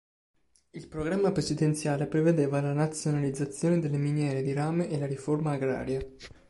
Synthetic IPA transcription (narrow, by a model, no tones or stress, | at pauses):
ilpɾoɡɾamːapɾesid̪ent̪sjaːlepɾeved̪eːvalanat̪sjonalid̪zːat̪sːjoːned̪elːeminjɛːɾed̪iɾaːmeʔelaɾiformaːɡɾa̰ːɾja